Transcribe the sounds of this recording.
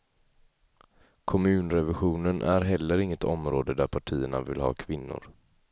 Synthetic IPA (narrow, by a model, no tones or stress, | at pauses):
kʰɔmʉ̟ːnɾɛvɪɧuːnənʔæɾɦɛlːəɾɪŋːət̪ʰɔmɾoːd̪əd̪æɾpʰaʈʰiːəɳa̰vɪlhɑ̰ːkʰvɪnːʊ̰ɾ